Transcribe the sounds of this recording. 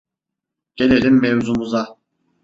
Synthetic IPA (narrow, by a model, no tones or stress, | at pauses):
ɟ̥e̞lʲelʲimːevzumuza